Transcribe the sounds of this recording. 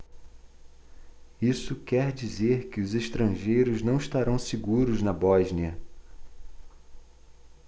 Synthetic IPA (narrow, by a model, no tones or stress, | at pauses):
isʊkɛɾd͡ʒizeɾkɪʊzeʃt̪ɾɐ̃ʒejɾʊznɐ̃w̃iʃt̪aɾɐ̃w̃siɡuɾʊznɐbɔʒniɐ